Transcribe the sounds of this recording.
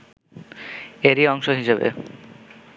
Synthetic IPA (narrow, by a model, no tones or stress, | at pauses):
eɾiɔŋʃoɦiʃebḛ